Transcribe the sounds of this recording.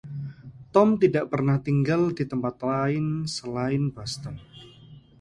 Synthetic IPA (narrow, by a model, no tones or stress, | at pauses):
t̪ɔmt̪idaʔpərnaht̪iŋɡaldit̪əmpat̪̚laɪnsəlaɪnbast̪ən